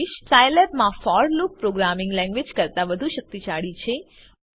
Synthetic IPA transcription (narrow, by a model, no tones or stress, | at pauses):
iʃsajləpmãfɔɾluk̚pɾoɡɾamɪ̃ŋɡlɛ̃ŋɡʋed͡ʒkəɾt̪aʋəd̪ʱuʃək̚t̪it͡ʃaɭit͡ʃʰe